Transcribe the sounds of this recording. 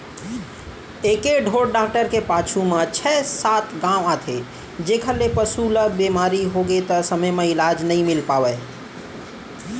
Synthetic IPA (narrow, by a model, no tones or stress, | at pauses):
ekeɖʱoɽɖak̚ʈəɾkepat͡ʃʰumet͡ʃʰɛsat̪ɡãʊ̃at̪ʰe | d͡ʒekʰəlepəsuləbemaɾiɦoɡet̪əsəməjməilad͡ʒnəjmilpabɛ